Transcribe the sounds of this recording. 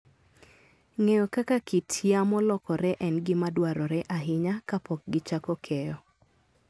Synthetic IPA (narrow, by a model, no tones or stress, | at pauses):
ŋejokakakitʰjamɔlɔkɔɾɛʔɛnɡɪmadwaɾɔɾɛʔaɦɪɲakapɔk̚ɡɪt͡ʃakɔkʰɛjɔ